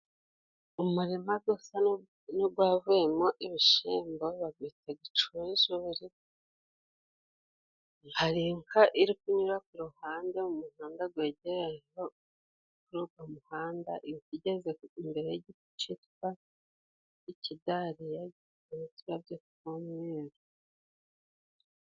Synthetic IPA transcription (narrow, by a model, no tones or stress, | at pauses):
umuɾimaɡoːsa | noɡwaːvujemoʔiβiʃiːmboβaɡwitaɡit͡ʃuiʃuːɾi | haɾiŋkʰaʔiɾikuɲuɾak̚uɾuhaːndeumuhaːndaɡweːɟeɾejo | kuɾuːɡamuhaːnda̰ʔikiɟezeimbe̞ɾeeɟitu̥t͡ʃitkwa | icidaɾija | iitiβabjokukomweːɾo